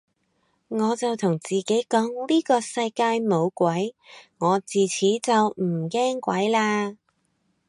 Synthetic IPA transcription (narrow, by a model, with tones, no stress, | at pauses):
ŋɔː˨˧t͡sɐ˨˩wt̪ʰʊ˨˩ŋt͡siː˨˩ke˨˥jkɔː˨˥ŋliː˥kɔː˧sɐ˧jkaː˧jmo˨˧wkʷɐ˨˥jŋɔː˨˧t͡siː˨t͡sʰiː˨˥t͡sɐ˨wm̩˨˩kɛː˥ŋkʷwɐ˨˥jlaː˧